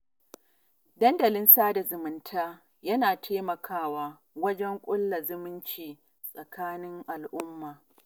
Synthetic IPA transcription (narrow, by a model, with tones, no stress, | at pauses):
dɐ˦ndɐ˨lɪ˦nsaː˦da˨zʊ˨mʊ˨ntʰaː˦ | jɐ˦naː˨tʰeː˦mɐ˨kʰaː˦waː˦ | wɐ˦d͡ʒɛ˦ŋkʷʼʊ˦lːa˨zʊ˦mɪ˦nt͡ʃiː˨ | sʼɐ˨kʰaː˦nɪ˦ŋʔa˨lʔʊ˦mːaː˨